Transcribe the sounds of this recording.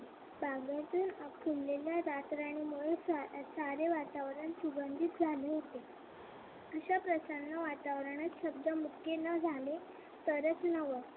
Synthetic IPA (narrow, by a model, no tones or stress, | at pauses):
baɡjat̪uːnəkʰulleljaɾat̪ɾaɽ̃imuɭesasaɾeʋat̪aʋɾəɳsubənd̪ʱit̪̚d͡zʱaleɦot̪e | əɕapɾəsənːəʋat̪aʋɾəɳ̃at̪ɕəb̚d̪əmukʰenəd͡zʱale | t̪əɾət͡snəʋəɾ